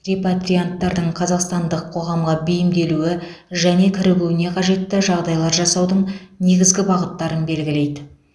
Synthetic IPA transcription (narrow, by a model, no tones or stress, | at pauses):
re̞pat̪ɾijant̪ːɑɾd̪əɴqʰɑzɑqst̪ɑnd̪əqʰːo̞ʁɑmʁɑbɪjɪmd̪e̞luɪ | ʒæne̞kʲʰɪɾɪɡʲuwɪne̞qʰɑʒe̞t̪ːɪʒɑʁd̪ɑjlˠɑɾʒɑsɑwd̪əɴne̞ɡʲɪzɡʲɪbɑʁət̪ːɑɾənbe̞lɡʲɪle̞jd̪ɪ